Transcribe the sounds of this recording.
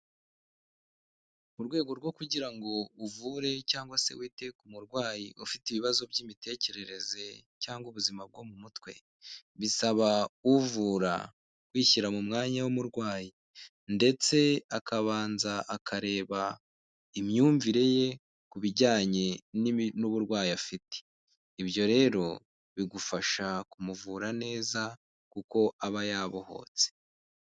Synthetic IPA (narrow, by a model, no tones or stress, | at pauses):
uɾɡwe̞ːɡo̞ɾɡwo̞kuɟiɾaŋɡo̞uvuɾe̞caːŋɡwase̞̰wiːte̞kumuɾɡwaːjiufitiβiβazo̞bɟiːmite̞ːce̞ɾe̞ɾe̞ze̞caːŋɡuβuzimab̚ɡo̞mumutwe̞̰ | βisaβauvuɾa̰ | kwiːçiɾamumŋaːɲawumuɾɡwaːji | nde̞t͡se̞akaβaːnzaakʰaɾe̞ːβa | imɲuːɱviɾe̞je̞ | kuβiɟaːɲe̞ninuβuɾɡwaːjafite̥ | ibjo̞ɾe̞ːɾo̞ | βiɡufaʃakumuvuːɾane̞ːza | kuko̞aβajaːβo̞ho̞̰ːt͡se̥